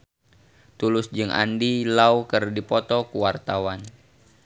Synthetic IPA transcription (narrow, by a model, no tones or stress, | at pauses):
t̪ulʊsd͡ʒɨŋʔa̰ndilaukɨrdipɔt̪ɔkuwart̪awan